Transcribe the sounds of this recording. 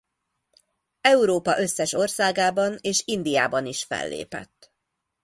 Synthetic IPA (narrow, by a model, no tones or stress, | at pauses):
ɛuɾoːpɒʔø̞sːɛʃo̞rsaːɡaːbɒneːʃind̪ijaːbɒniʃfɛ̰lːḛːpɛ̰t̪ː